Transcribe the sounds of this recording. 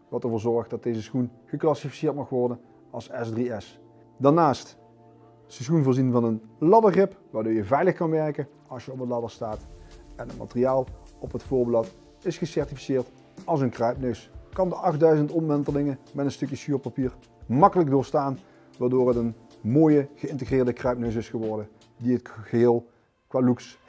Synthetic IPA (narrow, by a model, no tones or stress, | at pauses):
ʋɑlˠtəɹvʊːɹzɔɹxdɑt̚dejzəsxun | ɣəklɑsifi̥sɪːɹtmɑxʋɔɹdən | ɑlˠsɛsdriɛs | daɹnaːst | səsxunvʊːɹzinvɑnənlɑdəχɪpʋaːɹdoːɹjəvɛjləxkɑnʋɛɹkə | ɑlˠsjəɔpətlɑdəɹstaːtɛnətma̰tərijaːlˠɔpɦətfʊːɹblɑt | ɪsχəsɛɹtifi̥sɪːɹt | ɑlˠsənkrœɥpnøɥskɑndəʔɑχ̚dœɥzəntɔmʋɛntəlɪŋəmɛtənstɵkjəsyːpapiːɹ | mɑkələk̚dʊːɹstaːn | ʋaːɹdoːrɦətən | moːjəɣəɪntəɣrɪːɹdəkrœɥp̚nøɥs̬ɪsχəʋɔɹdən | diətɣəɦɪːlˠ | kʋaːluks